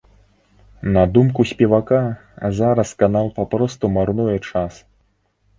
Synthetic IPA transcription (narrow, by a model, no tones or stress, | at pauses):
nɐd̪umkusʲpʲɛvakazaɾɐskanalˠpapɾɔst̪umarnujɛt͡ʂas